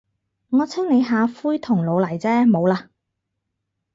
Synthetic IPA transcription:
ŋɔː˨˧t͡sʰɪ˥ŋne˨˧jɦaː˨˧fuː˥jt̪ʰʊ˨˩ŋlo˨˧wlɐ˨˩jt͡sɛː˥mo˨˧wlaː˧

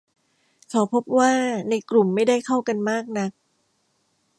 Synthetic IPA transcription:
kʰa˨˦wpʰo˦˥p̚waː˥˩na˧jklu˨˩mːa˥˩jda˥˩jkʰa˥˩wka˧nmaː˥˩k̚na˦˥k̚

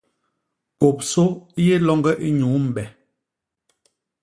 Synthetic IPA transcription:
ko˨p̚so˦je˦lɔ˦ŋɡɛ˦ʔi˦ɲuː˨˦m̩˨bɛ˨

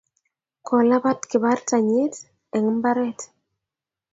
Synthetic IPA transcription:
kʰɔ˨la˦ba˦tkɪ˨ba˦rta˨ɲe˦t | ɛ˨ŋmba˦ɾɛ˦t

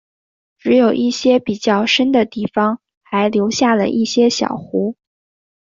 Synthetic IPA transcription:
ʈ͡ʂɻ̩˧˥jo˨˩ʊʔi˥˩ɕjɛ˥pi˨˩t͡ɕjɑ˥˩ʊʂə˥nd̪ə˨t̪i˥˩fɑ˩ŋ | xa˧˥ɪljo˧˥ʊɕja˥˩lə̰˩ʔi˥˩ɕjɛ˥ɕjɑ̰˨˩ʊxu˧˥

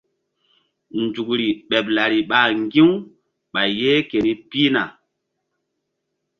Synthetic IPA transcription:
nd͡ʒu˨kɾi˨ɓɛ˨pla˨ɾi˨ɓa˦˨ŋɡi˦w | ɓa˨jje˦ke˨ni˦pi˦na˨

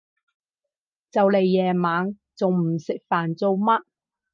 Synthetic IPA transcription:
t͡sɐ˨wle˨jːɛː˨maː˨˥ŋ | t͡so˨wm̩˨˩sɪ˨k̚faː˨˩nt͡so˨˧wmɐ˥t̚

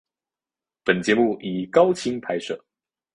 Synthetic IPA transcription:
pə˨˩nt͡ɕjɛ˧˥mu˥˩i˨˩kɑ˥ʊt͡ɕʰi˧˥ŋpʰa˧˥ɪʂɤ̰˥˩

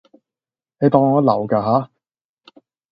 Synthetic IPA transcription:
ne˨˧jt̪ɔː˧ŋːɔː˨˥lɐ̰˨˩wkaː˧ɦaː˨˥

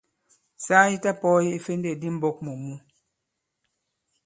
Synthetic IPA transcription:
saː˦ji˦ta˦pɔ˦ji˦i˦fe˦nde˦˨di˦m̩˦bɔ˦k̚mo˨mu˦

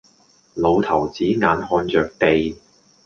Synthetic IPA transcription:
lo˨˧wt̪ʰɐ˨˩wt͡siː˨˥ŋaː˨˧nhɔː˧nt͡ʃœː˨k̚pe˨˧j

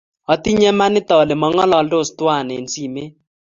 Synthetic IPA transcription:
ɔ˨t̪i˦ɲɛ˦ma˦nɪ˦t̪ɔ˨le˨mɔ˨ŋɔ˦lɔ˨ldo˦˨st̪wa˦˨ne˨nsi˦˨me˦

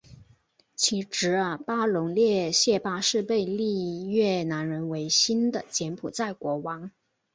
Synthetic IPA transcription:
t͡ɕʰi˧˥ʈ͡ʂɻ̩˧˥ə˧˩pa˥lʊ˧˥ŋljɛ˥˧ɕjɛ˥˧pa˥ʂɻ̩˥˧pe˥˧ɪli˥˧ɥɛ˥˩na˧˥nɻə˧˥nwe˧˥ɪɕi˥nd̪ə˨t͡ɕjɛ˧˥npʰu˨˩t͡sa˥˩ɪkwɔ˧˥wɑ˧˥ŋ

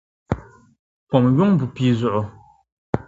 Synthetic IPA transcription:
pɔ˨mjo˦ŋ˦bu˨pi˨zɔ˨ʔʊ˨

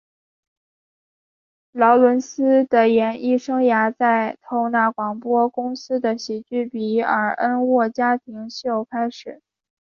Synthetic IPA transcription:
lɑ˧˥ʊlwə˧˥nsɹ̩˥d̪ə˨jɛ˧˥ni˥˩ʂɤ˥ŋja˧˥t͡sa˥˩ɪt̪ʰo˧˥˩ʊna˥˩kwɑ˨˩ŋpwɔ˥kʊ˥ŋsɹ̩˥d̪ə˨ɕi˨˩t͡ɕy˥˩pi˧˥ə̰˞˨˧˩ʔə˥nwɔ˥˩t͡ɕja˥t̪ʰi˧˥ŋɕjo˥˩ʊkʰa˥ɪʂɻ̩˨˩˦

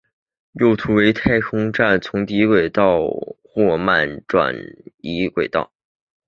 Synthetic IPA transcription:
jo˥˩ʊt̪ʰu˧˥we˧˥ɪt̪ʰa˥˩ɪkʰʊ˥ŋʈ͡ʂa˥˩nt͡sʰʊ˧˥ŋt̪i˧˥kwe˨˩ɪt̪ɑ˥˧ʊxwɔ˥˧ma˥˩nʈ͡ʂwa̰˨˩ni˧˥kwe˨˩ɪt̪ɑ̰˥˩ʊ

